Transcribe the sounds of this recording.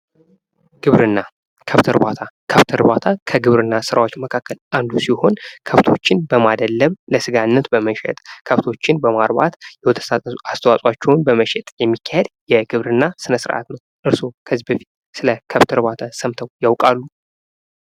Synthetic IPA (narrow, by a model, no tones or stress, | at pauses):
ɡ̥ɨβɾɨnːa | kʰəft̪ʰɨɾbat̪ʰakʰəft̪ʰəɾbat̪ʰakʰəɡɨβɾɨnːasɨɾawo̞t͡ʃːməkʰakːəlʔand̪usiho̞nkʰəft̪ʰo̞t͡ʃːɪnbəmad̪əlːəβləsɨɡanːət̪bəməʃɛ̰t̪ʼkʰəft̪ʰo̞t͡ʃːɪnbəmaɾba̰t̪jɛwɔt̪ʰə̥sast̪ʰəwasʼwat͡ʃːɛwnbəməʃɛt̪ʼjɛmːikʰːahed̪jɛɡɨβɾɨnːasɨnəsɨɾʔa̰t̪nəwʔɨɾsokʰəzibəfi̥t̪ | sɨləkʰəft̪ʰɨɾbat̪ʰasəmt̪ʰəwjawkʼalːu